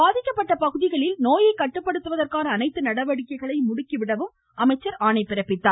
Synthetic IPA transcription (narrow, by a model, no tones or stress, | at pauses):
baːðɪkːɐpːɐʈːɐpɐɣɯðɪɣɐɭɪlnoːjɐɪkːɐʈːɯpːɐɽɯt̪ːɯʋɐðɐrkaːnɐːnɐɪt̪ːɯnɐɽɐʋɐɽɪkːɐɪɣɐɭɐɪmʊɽʊkːiʋɪɽɐʋɯm | ʔɐmɐɪt͡ʃːɐɾaːɳɐɪpːɪɾɐpːɪt̪ːaː